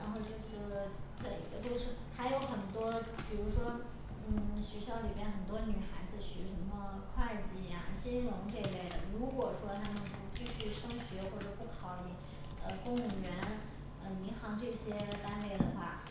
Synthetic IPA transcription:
ɻa˧˥nxo˥˧ʊt͡ɕjo˥˧ʊʂɻ̩˥˩˧t͡se˥˩˧ɡt͡ɕjo˥˧ʊʂɻ̩˥˩xa˧˥ɪjo˧˥ʊxə˨˩nt̪wɔ˥pi˨˩ɻu˧˥ʂwɔ˥ | n̩˥˩ɕɥɛ˧˥ɕjɑ˧˥ʊli˨˩bjɛ˥nxə˨˩nt̪wɔ˥ny˨˩xa˧˥ɪd͡zɹ̩˧ɕy˨˧˥ʂə˧˥nmə˧kʰwa˥˧ɪt͡ɕi˥˩ja̰˩t͡ɕi˥nɻʊ˧˥ŋʈ͡ʂe˥˧le˥˩ɪd̪ə˩ɻu˧˥kwɔ˨˩ʂwɔ˥t̪ʰa˥mə˨npu˧t͡ɕy˥˧ɕy˥˩ʂɤ˥ŋɕɥɛ˧˥xwɔ˥˩ʈ͡ʂɤ˨˩pu˥˩kʰɑ˧˥ʊi˨˩ | ə˧kʊ˥ŋu˨˩ɥɛ˧˥n | ə˥˩i˧˥ŋxɑ˧˥ŋʈ͡ʂɤ˥˩ɕjɛ˥t̪a˥nle˥˩ɪd̪ə˩xwa˥˩

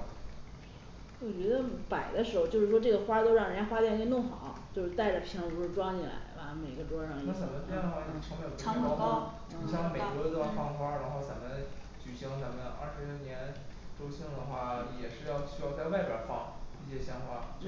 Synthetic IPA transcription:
wɔ˨˩t͡ɕɥɛ˧˥d̪ə˧pa˨˩ɪd̪ə˦ʂɻ̩˧˥xo˧t͡ɕjo˥˧ʊʂɻ̩˥˩wɔ˥ʈ͡ʂɤ˥˩ɡə˩xwa˥t̪o˥ʊɻɑ˥˩ŋɻə˧˥na˥xwa˥jni˧˥˧nʊ˥˩ŋxɑ̰˨˩˦ʊt͡ɕjo˥˧ʊʂɻ̩˥t̪a˥˩ɪʈ͡ʂə˩pʰi˧˥ŋpʂɻ̩˥˩ʈ͡ʂwɑ˥ŋt͡ɕi˨˩la̰˧˥ɪbɐ˧˩me˨˩ɪɡə˧˦ʈ͡ʂwɔ˥ʂɑ˥˩ŋi˧na˥˩t͡sa˧˥mə˧npʰa˥n˨˩wɑ˥˩i˥˩˥ʈ͡ʂʰə˧˥ŋme˧˥jʰɑ˥˩˥ | ɕjɑ˥˩ŋme˨˩˥ɔ˧˥d̪fɑ˥ŋxwa˥ɻa˧˥nxo˥˩ʊt͡sa˧˥mə˧n | t͡ɕy˨˩ɕi˧˥ŋt͡sa˧˥mə˧˦nʔa̰˥˩ʂɻ̩˧˥ljo˥˩njɛ˧˥nʈ͡ʂo˥ʊɕi˥ŋd̪ə˨xwa˥˩jɛ˨˩ʂɻ̩˥˧jɑ˥˧ʊɕy˥jɑ˥˧ʊt͡sa˥˧ɪwa˥˧ɪpja˥nfɑ̰˥˩ŋi˥˩ɕjɛ˥ɕjɑ˧˥ŋfwa̰˧˥˩

